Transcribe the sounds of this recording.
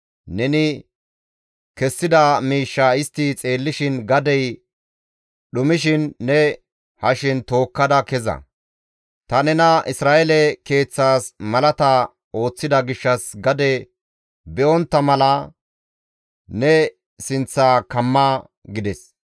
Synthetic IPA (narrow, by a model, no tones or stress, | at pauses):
nɛnɪ | kɛsːɪd̪ɐmiːʃːaɪst̪ːɪt͡sʼe̞ːlːɪʃɪnɡɐd̪ɛj | ɗʊmɪʃ̬ɪnːɛ | hɐʃɪnt̪o̞ːkːɐd̪ɐkɛzɐ̰ | t̪ɐnɛnɐʔɪsɾaːʔɛlɛke̞ːt͡sːaːsmɐlɐt̪ɐ | o̞ːt͡sːɪd̪ɐɡɪʃːɐsɡɐd̪ɛ | bɛʔɔnt̪ːɐmɐlɐ | nɛ | sɪnt͡sːaːkɐmːa | ɡɪd̪ɛs